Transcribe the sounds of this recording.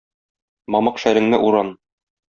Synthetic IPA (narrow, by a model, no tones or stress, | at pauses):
mɒmɤqʃæɾɘ̆ŋnɘʔuɾɑn